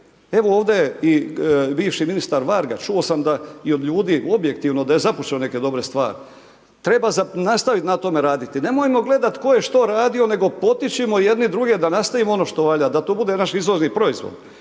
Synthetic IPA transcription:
e̞ʋooːʋd̪eibiːʋʃiminist̪aɾʋaɾɡat͡ʃuosamd̪aio̞d̪ʎuːd̪iːʔo̞bje̞kt̪iʋno̞d̪aje̞zaput͡ʃeoneke̞d̪o̞bɾe̞st̪ʋa̰ːɾi | t̪ɾe̞bazanast̪aʋit̪nat̪o̞me̞ɾaːd̪it̪ine̞mo̞jmo̞ɡle̞d̪at̪ko̞je̞ʃt̪o̞ɾaːd̪io̞ne̞ɡo̞po̞t̪it͡ʃimo̞je̞d̪nid̪ɾuɡe̞d̪anast̪aʋimoo̞no̞ʃt̪o̞ʋaʎad̪at̪oːbud̪e̞naʃizʋo̞ɾnipɾo̞izʋo̰d̪

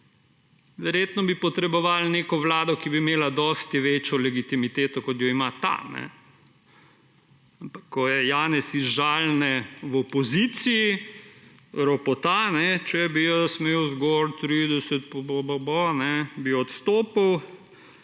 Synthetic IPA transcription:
ʋɛɾjeːt̪nɔbipɔt̪ɾɛbɔʋaːlneːkɔʋlaːd̪ɔkibiːmeːlad̪ɔst̪jɛʋeːt͡ʃjɔlɛɡit̪imit̪eːt̪ɔkɔt̪jɔimat̪a̰nɛ̰ | ampakʰːɔjɛjaːnɛsizʒaːlnɛwɔpɔzit̪siji | ɾɔpɔt̪anɛt͡ʃɛbijɔsmeːwzɡɔɾt̪ɾid̪ɛsɛt̪̚pɔbɔbɔbɔnɛbiɔt̪st̪oːpaw

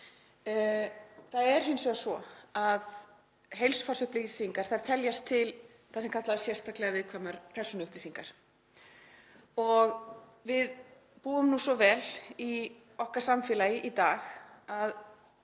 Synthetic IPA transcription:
θaðɛɾ̥hʏnsɛɣasvɔað | ɦejlsʏ̥fasʏhplisiŋkaɾ̥θaɾ̥t̪ʰɛljast̪ʰɪl | θasɛmkʰat̪laðasjɛrst̪ʰaklɛɣavɪðkʰvaːmaɾ̥pʰɛɾ̥sɔnʏʏhplisiŋkaɾ̥ | ɔɣ | vɪð | puːʏmnusɔvɛli | ɔhkaɾ̥samfɛːlajɪʔit̪aːxað

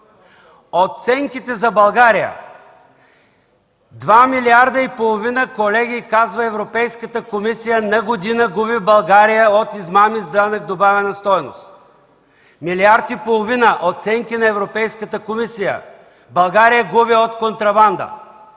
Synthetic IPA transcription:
ot̪sɛŋkit̪ɛzɐbɐlˠɡaɾijə̰ | d̪vamiliaɾd̪əipolˠovinəkolɛɡʲikazvɐɛvɾopɛjskət̪əkomisijənɐɡod̪inəɡubibɐlˠɡaɾijəot̪izmamizd̪anəkd̪obavɛnɐst̪ɔjno̰st̪ | miliaɾt̪ipolˠovinəʔot̪sɛŋkinɐɛvɾopɛjskət̪əkomisijə̰ | bɐlˠɡaɾijəɡubiot̪kont̪ɾɐband̪ə̰

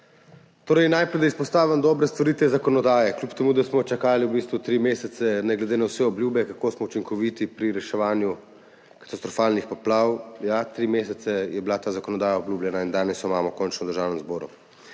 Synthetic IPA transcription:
t̪oːɾɐjnajpɾɛjd̪aispɔst̪aːʋamd̪ɔːbɾɛst̪ɔɾit̪ʋɛzakɔnɔd̪aːjɛklʲupt̪ɛmuːd̪asmɔt͡ʃakaːliwbist̪ʋut̪ɾimeːsɛt̪sɛnɛɡlɛd̪eːnawsɛɔbljuːbɛkakoːsmɔut͡ʃiŋkɔʋiːt̪ipɾiɾɛʃɛʋaːnju | kḁt̪ast̪ɾɔfaːlnixpɔplaːwjat̪ɾimeːsɛt̪sɛjɛbilat̪aːzakɔnɔd̪aːjaɔbljuːblʲjɛnaind̪aːnɛsɔimaːmɔkɔːnt͡ʃnɔd̪əɾʒaːwnɛmzbɔːɾṵ

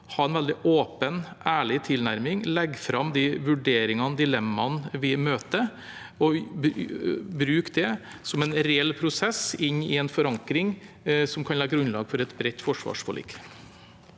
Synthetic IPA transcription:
hɑːɾɛnʋɛld̪ɪʔoːpənʔæːɭɪt̪ʰɪlnæɾmɪŋlɛɡfɾɑmd̪ɪʋʉɖeːɾɪŋɑnd̪ɪlɛmːɑnʋɪmøːt̪ə | ɔbbɾʉːkd̪ɛ | sɔmɛnɾɛɛlpʰɾʊsɛsɪnːɪ̰ɛnfɔɾɑŋkɾɪŋ | sɔmkʰɑnlɛːɡɾʉnlɑːɡfɔɾɛt̪bɾɛt̪ːfɔʂʋɑ̰ːʂfɔlḭːk

